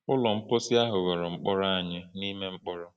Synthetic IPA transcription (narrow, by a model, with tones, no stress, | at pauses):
ʊ˦lɔ˨m̩˦po˦si˦a˦ɦʊ˨ɣo˨ɾɔ˨ŋ͡m̩˦k͡pɔ˦ɾa˦a˨ɲɪ˦ni˦me˦ŋ͡m̩˦k͡pɔ˦ɾɔ˦